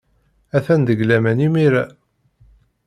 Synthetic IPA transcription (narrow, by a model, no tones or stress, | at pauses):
æθænd̪əɡlæmænimiɾæ